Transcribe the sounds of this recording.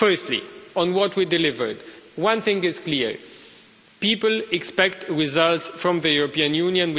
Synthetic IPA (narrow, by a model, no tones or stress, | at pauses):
fɜ˞stlḭə̃nwɔtʰwidɪlɪvə̰˞dwʌ̃nθɪ̃ŋɪz̥kliɹ | piːpəl̩ɛkspɛktɹɪzʌlˠtsfɹɔ̃mðəjuɹɔpĩɨ̃njũnjɨ̃nw